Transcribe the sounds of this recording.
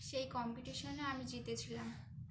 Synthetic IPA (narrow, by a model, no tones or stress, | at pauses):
ʃejkɔmpiʈiʃoneamid͡ʑit̪et͡ɕʰilam